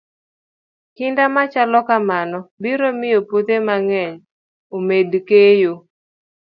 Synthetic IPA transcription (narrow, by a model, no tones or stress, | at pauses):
kɪndamat͡ʃalɔkamanɔbiɾomɪjopot̪emaŋɛɲ | omedkejo